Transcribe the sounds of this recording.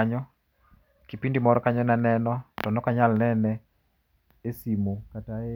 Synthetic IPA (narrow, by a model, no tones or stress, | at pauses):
aɲɔ | kipindimɔɾɔkaɲɔnanɛnɔtɔnɔkaɲalnɛnɛ | esimokataɛ